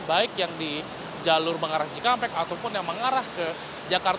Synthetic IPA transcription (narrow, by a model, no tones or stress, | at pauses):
baɪkjaŋdi | d͡ʒalʊrməŋaɾahd͡ʒikampɛkat̪awpʊnjaŋməŋaɾahkə | d͡ʒakar